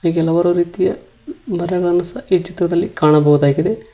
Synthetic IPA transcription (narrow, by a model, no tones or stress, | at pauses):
iɡɛlɐʋɐɾuɾiːt̪ijɐ | mɐɾɛɡɐɭɐnːusɐit͡ʃit̪ɾɐd̪ɐlːikaːɳɐbɐwud̪aːɡid̪e̞